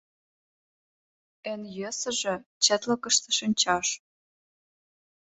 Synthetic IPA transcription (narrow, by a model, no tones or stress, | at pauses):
ĕnjøsə̆ʒĕt͡ɕĕt̪lə̆kə̆ʃt̪ə̆ʃinʲt͡ɕɑʃ